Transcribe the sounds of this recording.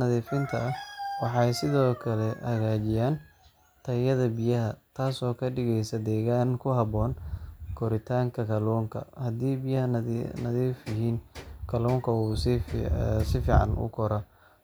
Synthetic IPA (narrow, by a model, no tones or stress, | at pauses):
nɐðiːfɪnt̪ʰɐɐwɑħɑjsɪðɔːkʰɐlɛhɐɣaːt͡ʃɪjaːn | t̪ʰɐjɐðɐbɪjɐɦɐt̪ʰaːsɔːkʰɐɖɪɣɛjsɐd̪ɛːɣaːŋkʰʊɦɑβɔːnkʰɔɾɪt̪ʰaːŋkʰɐkʰɐlɔːŋkʰɐ̰hɐd̪iːbɪjɐhɐnɐðiːfjɐɦiːnkʰɐlɔːŋkʰɐus | sɪfiːʕɑ̰nʔʊ̰kʰɔɾɐ